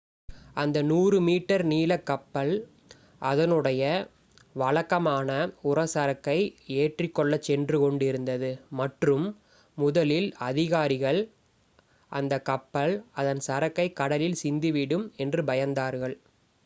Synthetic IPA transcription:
ɐnd̪ɐnuːrɯmiːʈːɐɾniːlɐkːɐpːɐɭ | ʔɐðɐnɯɽɐjɐ | ʋɐɻɐkːɐmaːnɐʊrɐsɐɾɐkːɐɪeːʈrɪkːɔɭːɐt͡ʃːɛndrɯkɔɳɖɪɾɯnd̪ɐðɯmɐʈrɯmː | ʊðɐlɪlɐðɪɣaːɾɪɣɐɭ | ʔɐnd̪ɐkːɐpːɐɭɐðɐnsɐɾɐkːɐɪkːɐɽɐlɪlsɪnd̪ɯʋɪɽɯmɛndrɯbɐjɐnd̪aːɾɣɐɭ

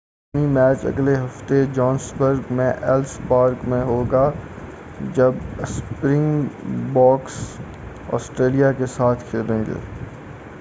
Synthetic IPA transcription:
nimɛːt͡ʃɐ̰ɡleɦɐft̪ed͡ʒɔːnsbəɾɡmẽʔɛlspaːɾkmẽɦoːɡaː | d͡ʒɐbspɾɪ̃ŋɡbɔːks | ɔ̰ːsʈɾeːlijakesaːt̪ʰkʰeːɾẽːɡḛː

